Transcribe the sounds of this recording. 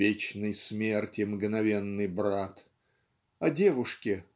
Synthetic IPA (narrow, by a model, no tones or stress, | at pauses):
et͡ɕnɨjsmʲe̞rtʲɪmɡnɐvʲenːɨjbɾat̪ | ɐdʲe̞vʊʂkʲɪ